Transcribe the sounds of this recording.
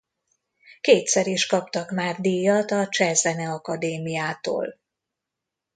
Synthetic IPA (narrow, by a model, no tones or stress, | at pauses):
keːt̪sɛɾiʃkɒpt̪ɒkmaːrd̪ijːɒt̪ɒt͡ʃɛzɛnɛɒkɒd̪eːmijaːt̪o̰ːl